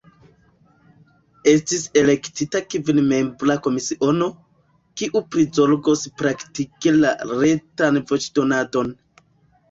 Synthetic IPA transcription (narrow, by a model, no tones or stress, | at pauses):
e̞stise̞le̞ktitakivinme̞mblako̞misiʔo̞no̞ | kiʔupɾizo̞lɡo̞spɾaktikela̰ɾe̞tanvo̞t͡ʃdo̞nado̞n